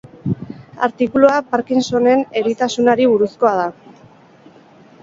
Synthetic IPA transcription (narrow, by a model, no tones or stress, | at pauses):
a̰ɾt̪ikuloapaɾkinso̞ne̞ne̞ɾit̪asunaɾiβ̞uɾusko̞að̞a